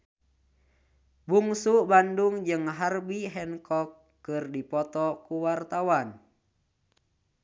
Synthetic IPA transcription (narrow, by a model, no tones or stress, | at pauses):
buŋsubanduŋd͡ʒɨŋɦarbiɦɛnkɔkː | ɨrdipɔt̪ɔkuwart̪awan